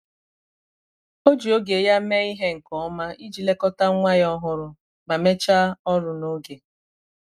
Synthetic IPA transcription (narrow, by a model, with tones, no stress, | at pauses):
o˦d͡ʒu˨o˦ɡe˨ja˦me˦i˦ɦe˦ŋ̩˨kɔ˨ɔ˦ma˦i˦d͡ʒi˨le˦kɔ˦ta˦ŋʷa˦jɔ˦ɦʊ˦ɾʊ˦ | ma˨me˦t͡ʃa˦ɔ˦ɾʊ˨no˦ɡe˨